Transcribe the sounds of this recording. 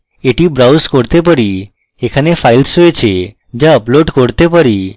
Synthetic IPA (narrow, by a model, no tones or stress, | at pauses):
eʈibɾawskoɽt̪epəɾi | ekʰanefailsojt͡ɕʰe | d͡ʑaəploɖkoɽt̪epəɾi